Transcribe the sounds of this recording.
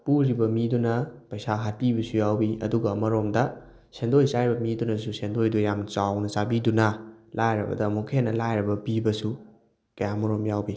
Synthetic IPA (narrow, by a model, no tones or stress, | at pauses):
puɾibɐmidunɐpɐjsaɦatibɐsujawbiɐ̰duɡɐːmɐɾomdɐ | sendojsaɾibɐmidunɐs̬usʰendojdujamt͡ʃawnɐt͡ʃabidunɐlajɾɐ̰bɐ̰dɐmokʰenːɐlajɾɐbɐbibɐsu | kɐjamɐɾomjawbi